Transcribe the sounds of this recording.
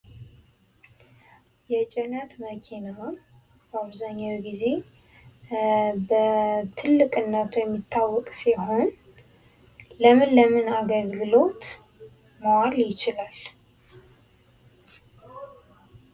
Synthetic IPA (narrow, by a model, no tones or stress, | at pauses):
jɛt͡ʃʼɛnət̪məkʰinaw | baβzaɲːawiɡize̞ | bət̪ʰɨlːɨkʼɨnːət̪ʰujɛmːit̪ʰːawːɔkʼsiɦo̞n | ləmɨnləmɨnaɡəlɡɨlo̞t̪ | məwaljɪt͡ʃɪlal